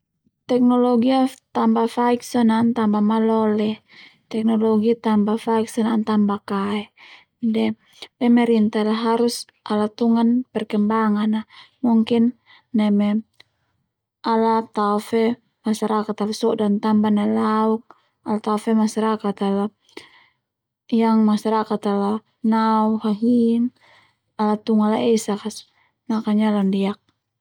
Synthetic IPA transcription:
t̪ɛk̚nɔlɔɡiat̪ambafaik̚sanant̪ambamalɔlɛ | t̪ɛk̚nɔlɔɡit̪ambafaiksɔnant̪ambakaɛ | dɛ | pɛmɛɾint̪alaɦaɾus | ʔalat̪uŋanpɛrkɛmbaŋanamuŋkinː | ɛmɛ | alat̪afɛ | masaɾakat̪alasɔdant̪ambanalauk̚ | alat̪afɛmasaɾakat̪ala | jaŋmasaɾakat̪ala | nauhaɦin | alat̪uŋalaʔɛsakas | makaɲalandiak̚

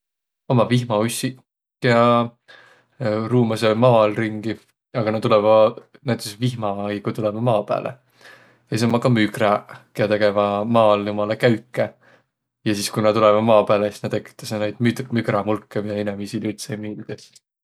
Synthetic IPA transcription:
o̞mɑvihmɑusːi | keɑ | ruːmɑsemɑːlriŋɡ̥i | ɑɡ̥ɑnɑt̪ulɛvɑ | næjt̪ːˑesvihmɑikut̪ulevɑmɑːpæ̰ːlʔḛ | jɑsisomːɑkɑmykrɑkeɑt̪e̞ɡevɑmɑːljumɑlɑkæɥkːˑe | jɑsiskunɑt̪ulevɑmɑːpæːlesisnɑt̪ekːˑi̥t̪ːˑɑsenæjd̪̥mymyɡrɑmulkːemiɑinemisilylt̪semiːld̪̥es

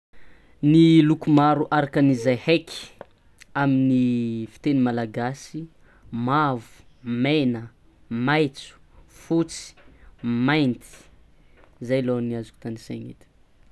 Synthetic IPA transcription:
nilukumaɾuʔaɾakənizajhekʰi̥ | aminifi̥t̪enimalaɡasi | mavu̥menə | majt͡su̥fut͡si̥majnt̪i̥ | zajloniazuku̥t̪anisaŋḭt̪ə̥

